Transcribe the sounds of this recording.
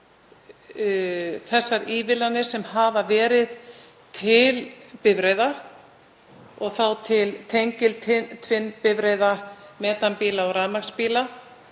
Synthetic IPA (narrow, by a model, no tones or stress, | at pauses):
θɛsːaɾiːvɪlanːɪ̥sɛmhaːvavɛːɾɪð | t̪ʰɪlpɪvɾejðḁ | ɔɣθawt̪ʰɪlt̪ʰejɲcɪlt̪ʰɪt̪ʰvɪnːpɪvɾejðamɛːt̪anpiːlaɔɣɾaðmakspiːla